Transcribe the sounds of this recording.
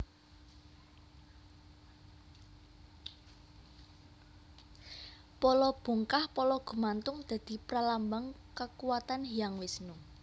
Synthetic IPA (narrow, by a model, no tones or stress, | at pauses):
pɔlɔb̥ṳŋkahpɔlɔɡ̥ṳmant̪ʊŋd̪̥ä̤d̪̥i̤pɾalambaŋkəkuwat̪anɦijaŋwɪsnu